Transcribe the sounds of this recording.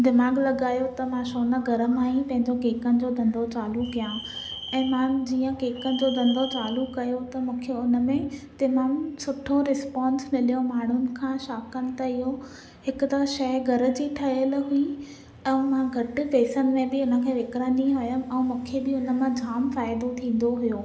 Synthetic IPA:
d̪ɪmaːɡlɐɡaːjot̪ɐmãʃoːnəɡʱɐɾəmaːjĩpɐ̃ɦɪ̃ɲd͡ʑokeːkənɪ̆d͡ʑod̪ʱɐ̃nd̪ot͡ɕaːlukijã | ɛ̃ːmãd͡ʑiːə̃ɡeːkənɪ̆d͡ʑoːd̪ɐ̃nd̪ot͡ɕaːlukɐjot̪ɐmũːkʰeʊnə̆mẽt̪ɐmamsʊʈʰoɾɪspãːnsmɪlijomaːɳ̤ʊnɪ̆kʰãʃaːkənɪ̆t̪ɐɪɦo | hɪkʊt̪ɐʃɐjɡʱɐɾə̆d͡ʑiʈʰɐɪjəlɦuĩ | ɛ̃mãɡʱɐʈɪ̆peːsənɪ̆mẽbɪʊnə̆kʰeːʋɪkɾənĩɦojəmɛ̃mũːkʰebɪʊnə̆mãd͡ʑʱaːmfaːɪd̪ot̪ʰĩːn̆d̪oɦʊjoː

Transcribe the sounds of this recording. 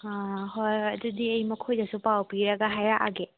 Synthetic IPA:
aɦojɐdudiɐjmɐkʰojdɐsupawpiɾɐɡaɦajaʔa̰ɡe

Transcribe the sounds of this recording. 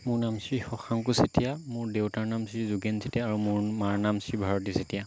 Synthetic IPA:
mʊɹnamsɹixɔxʰaŋkusetijamʊɹdewtaɹnamsɹizuɡɛnsetijaːɹumʊɹmaɹnamsɹibʱaɹɔt̬isetija

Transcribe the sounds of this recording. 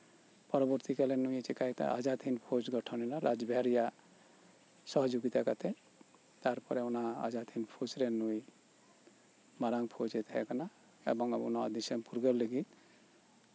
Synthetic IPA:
pɔɾɔbɔɾt̪ikalenuj̃et͡ʃikait̪a̰ʔa̰d͡ʒat̪ʰinpʰot͡ʃɡɔʈʰɔninaɾa̰d͡ʒbʱɛaɾija | sɔɦɔd͡ʒuɡit̪akat̪e | t̪aɾpɔɾeunaa̰d͡ʒat̪ʰinpʰot͡ʃɾenuj | maɾaŋpʰod͡ʒet̪ʰɛkana | ḛbɔŋabunɔad̪isempuɾɡɔlːeɡit̪

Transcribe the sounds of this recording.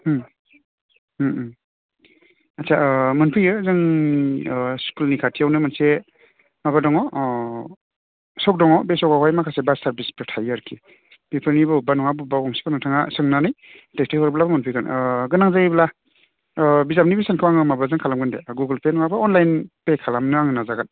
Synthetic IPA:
hɯ | atsʰamɯnpʰɯjɯzaŋ | skulnikʰatʰijawnɯmanse | mabadɔŋɔ | sɔk̚dɔŋɔbesɔkawajmakʰasebasaɾbispɾɔtʰajaɾkʰi | pipʰɯlnibɯbanɔŋabubawɔŋse̥panɯŋtʰaŋasɯŋnanɯj | testʰahɔɾblabɔmɯnpʰɯjkʰɯnɡɯnaŋzaibla | bizam̚nibisankʰɯwaŋɯmablazɯŋkʰalamɡɯndeɡuɡɯlpenɔŋabaɔnlajnpekʰalamnɯaŋɯnazaɡat

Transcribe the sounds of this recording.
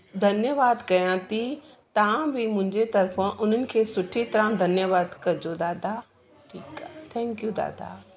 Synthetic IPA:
d̪ʱɐnjəʋaːd̪kɐjãt̪i | t̪ɐãbʱimʊ̃ɪ̃ɲd͡ʒet̪ɐɾfʰãʔʊn̤ənɪ̆kʰeːsʊʈʰit̪ɐɾãd̪ʱɐnjəʋaːd̪kɐɾd͡ʒod̪aːd̪a | ʈʰiːkat̪ʰɛ̃ːŋkjud̪a̰ːd̪a̰ː

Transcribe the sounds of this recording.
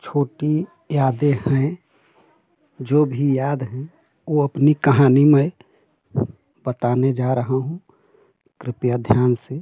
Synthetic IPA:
t͡ʃʰoːʈi | jaːd̪ehɛ̃ | d͡ʒoːbʱijaːd̪ɦɛ̃ | oəpnikəɦaːnimẽ | bət̪aːned͡ʒaɾəɦaɦũ | kɾɪpjad̪ʱjaːnse

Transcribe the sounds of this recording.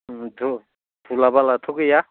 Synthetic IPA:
du | d̥ulabalat̪ʰukɯja

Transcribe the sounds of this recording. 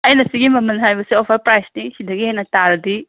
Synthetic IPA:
ɐjnɐsiɡimɐmɐnɦajbɐsiopʰɐɾpɾajsnisidɐɡienɐtaɾɐdi

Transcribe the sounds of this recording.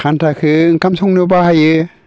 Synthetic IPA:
kʰantʰakʰɯŋkamsɔŋnɯbahajɯ

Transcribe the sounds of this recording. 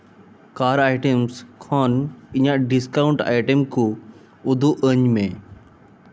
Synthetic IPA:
kaːɾaːɪʈemskʰɔːnĩjãɖɪskaːʊ̃ɳʈa̰ːɪʈəmkʰõ | ʊd̪ʱuʔə̃ɲmẽ

